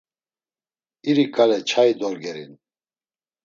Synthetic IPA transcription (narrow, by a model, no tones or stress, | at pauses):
iɾikʼalɛt͡ʃʰaid̪ɔɾɡɛɾḭn